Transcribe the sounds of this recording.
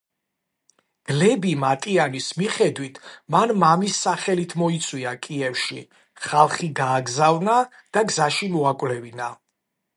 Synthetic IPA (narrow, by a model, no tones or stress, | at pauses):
ɡ̥lɛbimat̪ʼianismiχɛd̪wit̪ʰmanmamisːaχɛlit̪ʰmɔit̪sʼwiakʼiɛfʃi | χalˠχiɡaːɡzavna | d̪̥aɡzaʃimɔakʼvlɛvina